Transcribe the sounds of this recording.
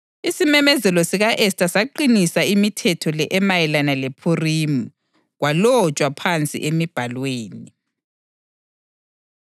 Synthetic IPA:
isimɛmɛzɛlɔsiɣaʔɛstʼasaǃinisaimitʰɛtʰɔlɛʔɛmajɛlanalepʰurimu | ɣwalɔt͡ʃʼwapʰant͡sʼḭʔemib̥ʱalweːni

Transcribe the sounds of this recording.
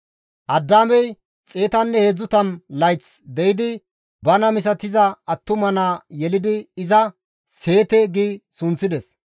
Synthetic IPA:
ʔɐd̪ːaːmɛj | t͡sʼe̞ːt̪ɐnːɛheːd͡zːʊt̪ɐnlɐjt͡sd̪ɛjɪd̪ɪ | bɐnɐmɪs̬ɐt̪ɪzɐɐt̪ːʊmɐnaːjɛlɪd̪ɪɪzɐ | se̞ːt̪ɛɡisʊnt͡sːɪd̪ɛs

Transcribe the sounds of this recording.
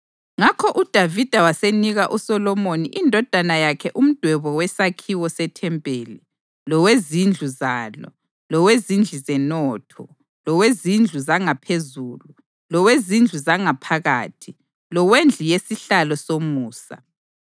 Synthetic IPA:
ŋakʰɔʔud̥ʱavid̥ʱawaseniɣaʔusɔlɔmoniʔindʱɔd̥ʱanajakʰɛʔum̩d̥ʱwɛβɔwɛsakʰiwɔsɛtʰɛmpʼeːli | lɔwezind͡ɮʱuzaːlɔ̰ | lɔwezind͡ɮʱizɛnɔːtʰɔ | lɔwezind͡ɮʱuzaŋapʰezuːlu | lɔwezind͡ɮʱuzaŋapʰaɣa̰ːtʰi | lɔwend͡ɮʱijesiɬalɔsomuːsa̰

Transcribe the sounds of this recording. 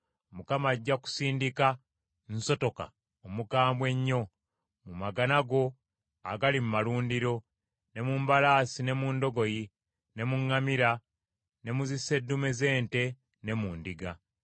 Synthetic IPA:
mukamaɟːaku̥siːndika | nso̞to̞ka̰ | omukaːmbwe̞ɲːo̞ | mumaɡanaɡo̞ | aɡalimumaluːndiɾo̞ | ne̞muːmbalaːsine̞muːndo̞ɡo̞ji | ne̞muŋːamiɾa | ne̞muzise̞dːume̞ze̞ːnte̞ | ne̞muːndiɡa

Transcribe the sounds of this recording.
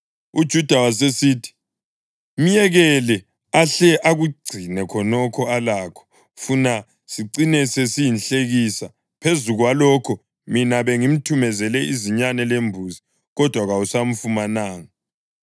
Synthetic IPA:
ud̥ʒ̥ʱud̥ʱawasesiːtʰi̥ | m̩jɛɣɛlɛ | aɬɛʔaɣuɡ͡ǀʱinɛkʰɔnɔkʰɔalaːkʰɔ̥ | funa | siǀinɛsesijinɬeɣisa | pʰezuɣwalɔkʰɔ | minaβeŋim̩tʰumɛzɛlɛiziɲanɛlembʱuzi | ɣɔd̥ʱwaɣausam̩fumanaːŋa

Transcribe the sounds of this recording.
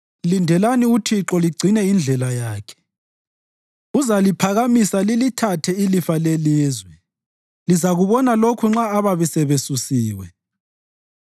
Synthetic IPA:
lindʱɛlaniutʰiǁɔliɡ͡ǀʱinɛind͡ɮʱɛlajaːkʰɛ̥ | uzalipʰaɣamisalilitʰatʰɛilifaleliːzwɛ | lizaɣuβɔnalokʰuŋ͡ǁaːβaβɛsɛβesusiːwɛ̰

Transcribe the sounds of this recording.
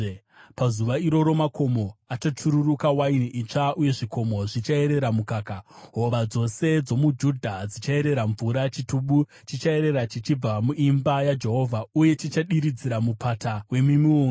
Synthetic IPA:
pazuʋaiɾo̞ɾo̞mako̞mo̞at͡ʃot͡ʂʰuɾurukawainiit͡ʂaʔuje̞ʐikʰo̞mo̞ʐit͡ʃae̞ɾe̞ɾamukaːkaɦo̞ʋad͡zo̞se̞d͡zo̞mud͡ʒudʱad͡zit͡ʃae̞ɾe̞ɾaɱvuɾat͡ʃituɓu | t͡ʃit͡ʃae̞ɾe̞ɾat͡ʃit͡ʃib͡vamuʔimbajad͡ʒe̞ɦo̞vʱauje̞t͡ʃit͡ʃaɗiɾid͡ziɾamupatawe̞mimioːŋ

